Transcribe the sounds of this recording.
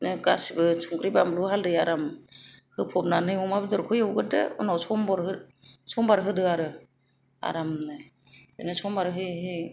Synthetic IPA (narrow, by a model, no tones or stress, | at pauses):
nɯɡasbɯsʰuŋkɾibamluɦaldɯjaɾamhɯpʰɔp̚nanɯjmɔmabidɔɾkʰɯjawɡɯdɯ̰ɯ̰nawsʰɔmbɔɾhɯsʰɔmbaɾɦɯdɯaɾɯ | a̰ɾamnɯɯ̰nɯsɔmbaɾɦɯjɦɯ